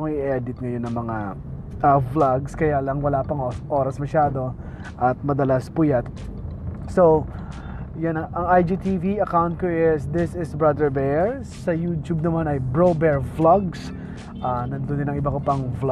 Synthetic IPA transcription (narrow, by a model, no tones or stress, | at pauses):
ŋʔɪʔɛd̪ɪt̪̚ŋɐjo̞nːɐŋmɐŋa | ʔɐvlaɡskɐjalɐŋwɐlaːpɐŋʔo̞ːɾɐsmɐʃaːd̪o̞ | ʔɐt̪̚mɐd̪ɐlaspʊjat̪̚ | sow | janɐʔɐŋajd͡ʒut̪iviɐkawnt̪̚kʊjɪsd̪ɪsɪsbɹɐd̪ɛɹbɛɹ | sɐjuːt̪jub̚nɐmanɐjbɹowbɛɹvlaɡs | ʔanɐnd̪ond̪ɪnɐŋʔɪbakopɐŋvl